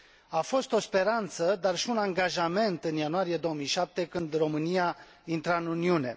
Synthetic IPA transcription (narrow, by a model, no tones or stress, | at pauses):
afo̞st̪o̞spe̞ɾant̪səd̪arʃiunaŋɡaʒame̞nt̪ɨnjanuaɾijed̪o̞wəmijʃap̚t̪e̞kɨnd̪ro̞mɨnija | int̪ɾaɨnuniune̞̰